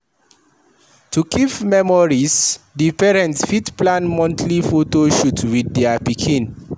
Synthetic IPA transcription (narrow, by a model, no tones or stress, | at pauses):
tukʰipmɛmɔɹisdipɛɹɛ̃ntsfitplãnmɔ̃ntʰlifotoʃutwidːɛapikʰĩn